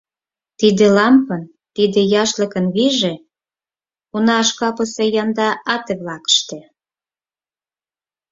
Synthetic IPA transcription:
t̪id̪elɑmpən | t̪id̪ĕjɑʃləkənβiʒe | unɑːʃkɑpəsejɑnd̪ɑʔɑt̪eβlɑkə̥ʃt̪ĕ

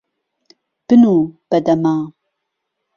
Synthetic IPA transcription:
b̥ɨnub̥ɐd̪ɐmaː

